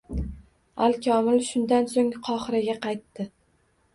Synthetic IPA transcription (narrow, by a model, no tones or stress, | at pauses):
alkʲʰɒmɪlʃʊnd̪ansoŋqʰɒχɾaɡʲaqʰɑjt̪ːɪ